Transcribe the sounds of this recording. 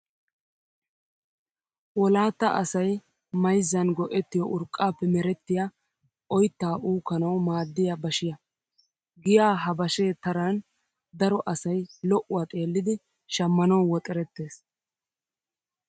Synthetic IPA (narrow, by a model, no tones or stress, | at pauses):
wɔlaːt̪ːɐ̰ʔɐ̰sɐj | mɐjzːɐnɡɔʔɛt̪ːɪjɔʔʊɾkʼːaːpːɛmɛɾɛt̪ːɪjɐ | ʔɔjt̪ːaːʔuːkːɐnɐwmaːd̪ːɪjɐbɐʃɪjɐ | ɡɪjaːɦɐbɐʃeːt̪ɐɾan | d̪ɐɾɔʔɐsɐjlɔʔʊwaːt̪ʼe̞ːlːɪd̪ɪ | ʃɐmːɐnɐwwɔt̪ʼɛɾɛt̪ːe̞ːs